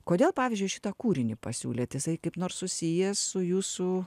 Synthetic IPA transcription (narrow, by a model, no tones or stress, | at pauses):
koːd̪ʲeːlˠpɑːʋʲɪzʲd͡ʒʲʊɪʃʲɪ̥t̪ɐkuːɾʲɪnʲɪpɐ̰sʲṵːlʲeːt̪jɪsɐɪkɐɪpnoːrssʊsʲijɛssʊjuːssʊ